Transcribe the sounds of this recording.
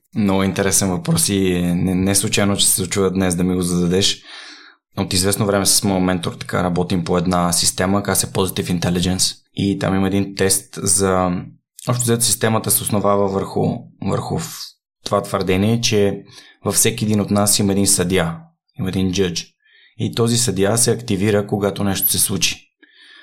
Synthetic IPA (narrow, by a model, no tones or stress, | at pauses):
noint̪ɛɾɛsɛnvɐpɾɔsiɛnɛnɛslˠut͡ʃajnot͡ʃɛ̥sɛd̪ot͡ʃuvəd̪nɛsd̪ɐmiɡozɐd̪ɐd̪ɛʃ | ot̪izvɛsnovɾɛmɛsə̥smomɛnt̪oɾt̪ɐ̥ka̰ɾɐbɔt̪impoɛd̪nasist̪ɛməkasɛpozit̪ifint̪ɛlid͡ʒɛns | it̪a̰miməɛd̪int̪ɛst̪zɐ | ɔpʃt̪ozɡat̪ʊsist̪ɛmət̪əsɛosnovavəvəɾxʊ̰və̰ɾxʊ̰ | t̪ovat̪vəɾd̪ɛniɛt͡ʃɛ | vɐfsɛkʲiɛd̪inot̪nasiməɛd̪insɐd̪ja | imɐɛd̪ind͡ʒɤd͡ʒ | it̪ɔzisɐd̪jasɛɐkt̪iviɾəkoɡat̪onɛʃt̪o̥sɛslˠut͡ʃi̥